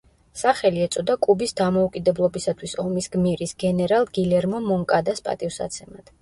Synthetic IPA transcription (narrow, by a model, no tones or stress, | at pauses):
saχɛliɛt̪sʼɔd̪akʼubisd̪amɔukʼid̪ɛblˠɔbisat̪ʰwisɔmisɡmiɾisɡɛnɛɾalˠɡilɛɾmɔmɔŋkʼad̪aspʼa̰t̪ʼifsa̰t̪sʰɛmad̪̥